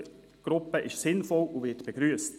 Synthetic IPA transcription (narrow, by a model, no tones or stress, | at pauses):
ɡ̥ɾʊpəʔɪʃsɪnfɔluvɪtb̥eɡ̥ɾyːəst